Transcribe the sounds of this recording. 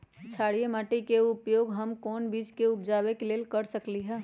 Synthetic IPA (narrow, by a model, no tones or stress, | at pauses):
t͡ʃʰaːɽijemaːʈikeʊpjoːɡɦəmkɔːnbiːt͡ʃkeʊp̚d͡ʒaːʋekeleːlkəɾsəkliɦɛː